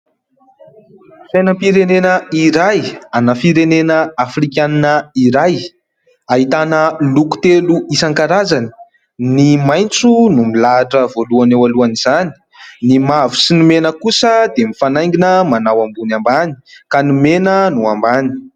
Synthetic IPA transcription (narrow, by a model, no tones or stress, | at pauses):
fajnəmpiɾenenəiɾajanəfiɾenenəafrikʲaninəiɾaj | aɦit̪anəluku̥t̪eluisaŋkaɾazani̥ | nimajnt͡sunumilaʈ͡ʂəvoluanewaluaniz̥ani̥ | nimavusinimenəkusəd̪emifanajŋɡinəmanawambunambani̥kanumenənuambani̥